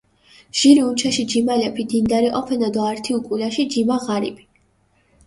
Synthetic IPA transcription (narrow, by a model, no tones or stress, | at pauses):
ʒ̥iɾiunt͡ʃʰaʃid͡ʒimalɛpʰid̪ind̪aɾiʔɔpʰɛnad̪ɔaɾt̪ʰiukʼulaʃid͡ʒimaʁaɾḭbi̥